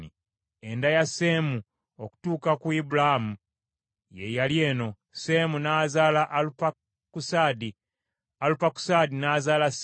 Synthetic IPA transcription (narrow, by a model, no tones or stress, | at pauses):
i | e̞ndajase̞ːmu | oku̥tuːkakuibulaamu | je̞jalje̞ːno̞ | se̞munaːzaːlaʔlupa | kusadi | alupaku̥sadinaːzaːlas